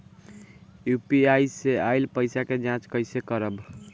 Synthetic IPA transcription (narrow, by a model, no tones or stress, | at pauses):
jupiajseajlpəɪsaked͡ʒãt͡ʃkəɪsekəɾəb